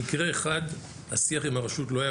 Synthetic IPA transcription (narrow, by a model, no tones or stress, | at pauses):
ikʁe̞ːχad̪ | hasiaχimaʁaʃutlo̞aja